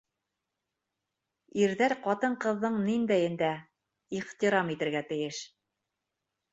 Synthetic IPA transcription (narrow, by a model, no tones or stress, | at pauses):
iɾðæɾqɑt̪ɤɴqɤ̆ðːɤɴnind̪æjɘ̆nd̪æ | iʁt̪iɾɑmit̪ɘ̆ɾɡæt̪ɘ̆jɘʃ